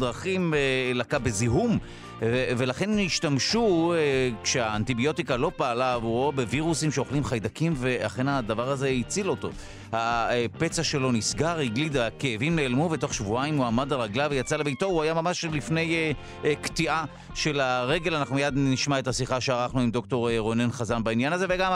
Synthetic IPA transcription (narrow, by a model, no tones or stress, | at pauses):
dʁaχimelakabe̞ziɦum | eve̞laχe̞niʃtamʃuekʃeaːntibio̞t̪ikalo̞paːlavuobe̞viʁusimʃeo̞χlimχajd̪akimve̞a̰χe̞nad̪avaʁaze̞it͡silo̞to̞̰ | hape̞t͡saʃelo̞nisɡaʁiɡlidaakeːvimleːlmuveto̞χʃvuaimuamadalʁaɡlavejat͡salebejto̞uajamamaʃlifne̞je | ktiʔa | ʃe̞laʁe̞ɡe̞lanaχnumijadniʃmae̞thasiχaʃeaʁaχnuimd̪o̞k̚to̞ʁeʁonenχazanbainjanazeveɡam